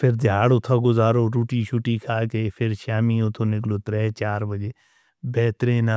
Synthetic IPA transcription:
pʰɪɾd̪ɪjaːɽʊt̪ʰaːɡʊzaːɾoːɾuːʈiːʃʰʊʈiːkʰaːkepʰɪɾʃaːmiːʊt̪ʰõːnɪkloːt̪ɾɛːt͡ʃaːɾbəd͡ʒeː | bɛːt̪ɾẽːna

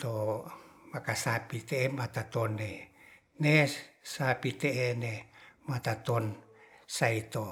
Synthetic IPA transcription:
t̪o | makasapit̪eemat̪at̪onːe | nesapit̪eenemat̪at̪onsait̪o

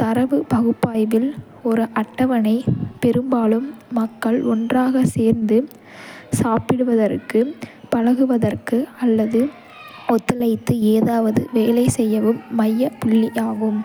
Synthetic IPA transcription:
t̪ɐɾɐʋɯbɐɣɯpːaːjʋɪl | ɔɾɯʔɐʈːɐʋɐnɐɪpɛɾɯmbaːlɯmːɐkːɐɭɔndraːɣɐseːɾnd̪ɯ | saːpɪɽɯʋɐðɐrkɯpɐɻɐɣɯʋɐðɐrkɯɐlːɐðɯ | ɔt̪ːɯlɐɪt̪ːɯeːðaːʋɐðɯ̰ʋeːlɐɪsɛjːɐʋɯmːɐjːɐpʊɭːɪʔaːɣɯm

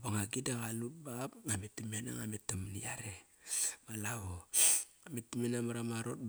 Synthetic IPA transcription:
baŋaɡidaɣalut̚bapametimena̰ŋametːamniaɾemalao | ametːimenamaɾamaɾo̞t̚b

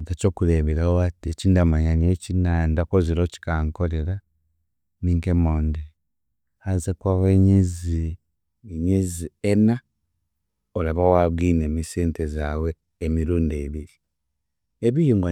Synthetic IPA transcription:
taco̞kuleβeɾawoatiecindamaɲanecinandakoziɾoci̥kaːŋko̞le̞ɾa | niŋkemoːndi | azekwaweɲizi | ɲiziena | olaβawaβɡineːmiseːntezaweː | miɾuːndeβiɾi | eβijiŋɡa

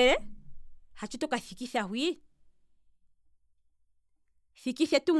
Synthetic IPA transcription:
ɛɾɛ | hat͡ʃutɔkaθikiθahwi | θikiθɛtuŋ

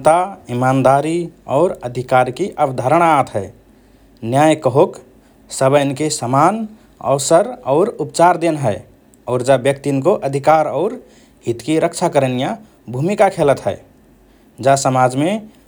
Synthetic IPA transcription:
t̪aimand̪aɾiɔ̰ːɾəd̪ʱikaɾkiʔəbd̪ʱaɾəɽ̃aat̪ɦɛɪ | njajkəɦok | səbənkesəman | ə̰ʊsəɾɔːɾupt͡ʃaɾd̪enɦɛɪ | ɔːɾd͡ʒabjək̚t̪inkoʔəd̪ʱikaɾɔʊɾ | ɦit̪kiɾəkt͡ʃʰakəɾənija | bʱumikakʰelət̪ɦɛ | d͡ʒasəmad͡ʒme

